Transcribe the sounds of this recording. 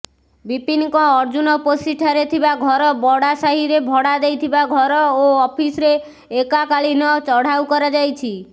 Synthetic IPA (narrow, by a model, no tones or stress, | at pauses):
bipiŋkɔ̃ɔɾd͡ʒunɔposiʈʰaɾet̪ʰibaɡʱɔɾɔbɔɽasaɦiɾebʱɔɽad̪ejt̪ʰibaɡʱɔɾɔoɔpʰisɾeː | kakaɭinɔt͡ʃɔɽ̤awkɔɾɔd͡ʒajt͡ʃʰi